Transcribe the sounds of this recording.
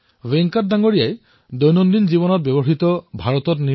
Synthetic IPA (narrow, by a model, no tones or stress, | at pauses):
weŋkat̚daŋɡoɹijaj | d̪ojnɔnd̪inzibɔnɔt̚bjebɔɦit̪ɔbʱaɹɔt̪ɔtni